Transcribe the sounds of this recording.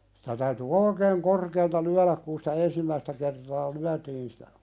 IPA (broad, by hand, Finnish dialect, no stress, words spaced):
si̥tæ tæyty oikeːŋ korkeːltɑ lyælæk kun sitæ ensimːæistæ kertɑː lyætiːn sĭtæ